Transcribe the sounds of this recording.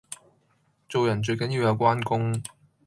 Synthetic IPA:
t͡so˨wjɐ˨˩nt͡ʃɵ˧ɥkɐ˨˥nji˨˧wjɐ˨˧wkʷaː˥nkʊ˥ŋ

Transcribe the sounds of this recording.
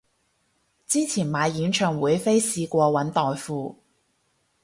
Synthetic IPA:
t͡siː˥t͡sʰiː˨˩nmaː˨˧jjiː˨˧˥nt͡ʃʰœː˨˩ŋwuː˨˧jfe˥jsiː˧kʷɔː˧wɐ˨˥nt̪ɔː˨jfuː˨˧

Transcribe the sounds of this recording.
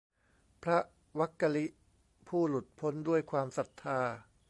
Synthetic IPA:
pʰɾa˦˥ | wa˦˥kːa˧li˦˥ʔ | pʰuː˥˩lu˨˩t̪̚pʰo˦˥ndu˥˩əjkʰwaː˧msa˨˩t̪ʰːaː˧

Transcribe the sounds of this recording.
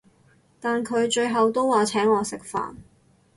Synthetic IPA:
t̪aː˨nkʰɵ˨˧ɥt͡ʃɵ˧ɥɦɐ˨wt̪o˥waː˨˧t͡sʰɛː˨˥ŋɔː˨˧sɪ˨k̚fa̰ː˨n

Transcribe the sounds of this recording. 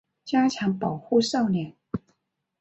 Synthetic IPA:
t͡ɕja˥t͡ɕʰjɑ˧˥ŋpɑ˨˩ʊxu˥˧ʂɑ˥˩ʊljɛ˨˩n

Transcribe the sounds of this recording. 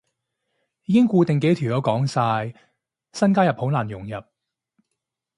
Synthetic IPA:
iː˨˧kɪ˥ŋkuː˧t̪ɪ˨ŋke˨˥t̪ʰyː˨˩wjɔ˨˥wkɔː˨˥ŋsaː˧j | sɐ˥nkaː˥jɐ˨p̚ho˨˥wnaː˨˩njʊ˨˩ŋjɐ˨˩p̚

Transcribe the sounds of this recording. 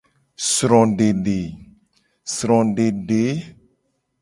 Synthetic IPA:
sɾɔ̃˨ɖe˨ɖe˨ | sɾɔ̃˨ɖe˨ɖe˨˦

